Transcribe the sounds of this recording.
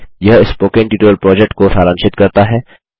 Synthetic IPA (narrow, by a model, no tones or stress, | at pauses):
jɐɦɪspoːkɪ̃ŋʈiːʈoːəlpɾɔːd͡ʒɛk̚ʈkosaːɾãːnʃɪt̪kɐɾt̪aɦɛː